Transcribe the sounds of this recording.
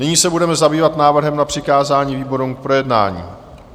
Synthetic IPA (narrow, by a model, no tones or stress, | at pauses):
nɪɲiːsɛbudɛmɛzabiːvat̪naːvr̩ɦɛmnapr̥ɪkaːzaːɲiːviːbo̞ɾumk̚pɾo̞jɛdna̰ːɲḭː